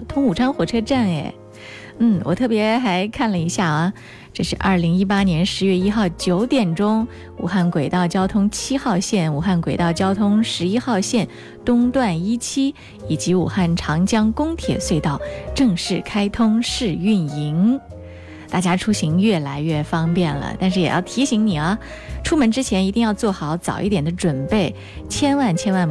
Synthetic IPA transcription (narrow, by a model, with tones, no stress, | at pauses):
t̪ʰʊ˥ŋu˨˩ʈ͡ʂʰɑ˥ŋxwɔ˨˩ʈ͡ʂʰɤ˥ʈ͡ʂa˥˩nḛ˧˩ɪ | n̩˥˩wʔɔ˨˩t̪ʰɤ˥˩pjɛ˧˥xa˧˥ɪkʰa˥˩nlə˩i˧˥ɕja˥˩ɐ˧˩ | ʈ͡ʂɤ˥˧ʂɻ̩˥˧ʔɐ˞˥˩li˧˥ŋi˥pa˥njɛ˧˥nʂɻ̩˧˥ɥɛ˥˧i˥xɑ˥˩ʊt͡ɕjo˧˥ʊt̪jɛ˨˩nʈ͡ʂʊ˥ŋ | ṵ˨˩xa˥˩nkwe˨˩ɪt̪ɑ˥˩ʊt͡ɕjɑ˥ʊt̪ʰʊ˥ŋt͡ɕʰi˥xɑ˥˧ʊɕjɛ˥˩nu˨˩xa˥˩nkwe˨˩ɪt̪ɑ˥˩ʊt͡ɕjɑ˥ʊt̪ʰʊ˥ŋʂɻ̩˧˥i˥xɑ˥˧ʊɕjɛ˥˩n | t̪ʊ˥ŋt̪wa˥˩ni˥t͡ɕʰi˥ | i˨˩t͡ɕi˧˥ṵ˨˩xa˥˩nʈ͡ʂʰɑ˧˥ŋt͡ɕjɑ˥ŋkʊ˥ŋt̪ʰjɛ̰˨˩swe˥˧ɪt̪ɑ˥˩ʊʈ͡ʂɤ˥˧ŋʂɻ̩˥˩kʰa˥ɪt̪ʰʊ˥ŋʂɻ̩˥˧y˥˩ni˧˥ŋ | t̪a˥˩t͡ɕja˥ʈ͡ʂʰu˥ɕi˧˥ŋɥɛ˥˩la˧˥ɪɥɛ˥˩fɑ˥ŋpjɛ˥˩nlə̰˩t̪nʂɻ̩˥˩jɛ˨˩jɑ̰˥˩ʊt̪ʰi˧˥ɕi˧˥ŋni˨˩ɐ˦ | ʈ͡ʂʰu˥mə˧˥nʈ͡ʂɻ̩˥t͡ɕʰjɛ˧˥ni˧˥t̪i˥˧ŋjɑ˥˧ʊt͡swɔ˥˩xɑ˧˦ʊt͡sɑ˨˩ʊi˥˩t̪jɛ˨˩nd̪ə˦ʈ͡ʂwə˨˩npe˥˩ɪ | t͡ɕʰjɛ˥nwa˥˩nt͡ɕʰjɛ˥nwa˥˩n